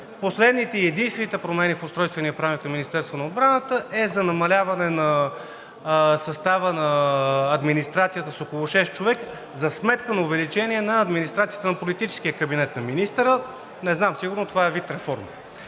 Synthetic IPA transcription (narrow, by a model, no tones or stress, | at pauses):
poslɛd̪nit̪ɛiɛd̪inst̪vɛnit̪ɛpɾomɛnifʊst̪ɾɔjst̪vɛniɐpɾamik̪nɐminist̪ɛɾst̪vonɐod̪bɾanət̪əʔɛzɐnɐmɐlʲavɐnɛnɐ | sɐst̪avənɐːd̪minist̪ɾat̪sijət̪əsokolˠoʃɛst̪̚t͡ʃovɛk | zɐsmɛt̪kənɐʊvɛlit͡ʃɛniɛnɐːd̪minist̪ɾat̪sijə̥t̪ənɐpolit̪it͡ʃɛ̥sk̟iəkəbinɛt̪nɐminist̪ɾə | nɛznamsiɡʊɾnot̪ovaɛvit̪ɾɛfɔɾm